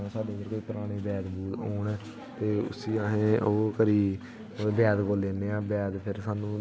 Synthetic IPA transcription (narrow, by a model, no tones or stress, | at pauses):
ãːsaːɖeːnəɾkoːiːpɾaːɽ̃iːbɛːd̪buːt̪oːɳɛː | t̪eːʊ̰siːaːɦẽːoːkəɾiː | bɛːd̪koːleːneːãːbɛːd̪pʰɪɾsaːnũː